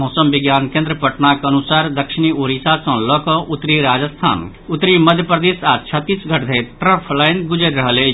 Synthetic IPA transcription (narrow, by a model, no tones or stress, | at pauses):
moːsəmʋɪɡjaːnkẽːnd̪ɾəpɐʈnakɐnusaːɾd̪ɐkʃinioːɾisasɔ̃ːlɔːkɔʔut̪ːɾiɾaːd͡ʒəst̪ʰa̰ːn | ut̪ɾimɐd̪ʱjəpɾɐd̪eːsat͡ʃʰɐt̪ːiːsɡʱɐʈd̪ʱeʈɾəpʰlajnɡʊd͡ʒəɾʲɾɐɦəle